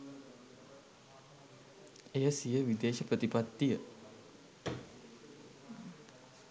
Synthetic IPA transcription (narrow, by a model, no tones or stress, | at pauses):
ejəsijəʋid̪eːʃəpɾət̪ipat̪ːijə